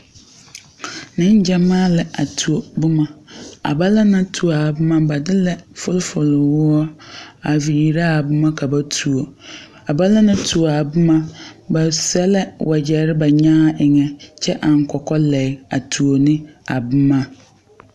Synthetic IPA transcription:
nɪ̃˦n˦d͡ʒɛ˦mãː˦lɛ˨a˨tʰu˨o˨bʊ˦mã˨a̰˨ba˦la˦nã˦tʰu˨o˨a˨bʊ˦mã˦ba˨dɪ˦lɛ˨fʊ˦lfʊ˨lɪ˨wʊ˦ɔ˦a˨vi˨ji˨ɾa˦a˨bʊ˦mã˦kʰa˨ba˦tʰu˨o˨ | a˨ba˦la˦nʊ̃˦tʰu˨o˨a˨bʊ˦mã˦ba˨sɛ˦lɛ˦wʔa˨d͡ʑɛ˨ɾɪ˦ba˨ɲãː˦ʔɪ˨ŋɛ̃˨t͡ʃʰɛ˦ʔa˨ŋ̩˨kʰɔ˨kɔ˦lɛ˨ɪ˨a˨tʰu˨o˨nɪ̃˦a˨bʊ˦mã˦

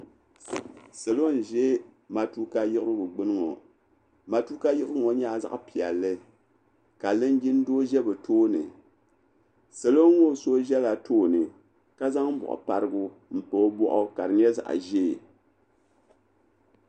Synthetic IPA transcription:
sɨ˨lo˦n̩˨ʒɛ˦ | ma˨tu˦ka˦jɪ˦ʔɨ˦ɾɨ˦bɨ˨ɡ͡bɨ˦nɨ˦ŋo˨ | ma˨tu˦ka˦jɪ˦ʔɨ˦ɾɨ˦ŋo˨ɲa˦˨za̰˨ʔpi˨ɛ˨lːɨ˦ | ka˨lɨ˦n˦ɡi˦n˦doː˦ʒɛ˦bɨ˨tʰoː˦nɨ˨ | sɨ˨lo˦ŋːo˦so˦ʒɛ˦la˨tʰoː˦nɨ˨ | ka˦za˦ŋm˦bɔ̰˨ʔʊ̰˨pa˨ɾɨ˦ɡʊ˦ | m̩˨po˦bɔ˦ʔɔ˦ka˨ɾɨ˨ɲ˦ɛ˦za̰˨ʔʒɛ˦˨

